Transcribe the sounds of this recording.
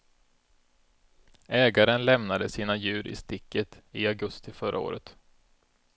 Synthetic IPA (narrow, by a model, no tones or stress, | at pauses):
ɛːɡaɾənlɛmnad̪əsiːnajʉ̟ːɾʔɪ̰st̪ɪkːət̪ɪaɡɵst̪ɪfœɾʔa̰o̰ːɾʔə̰t̪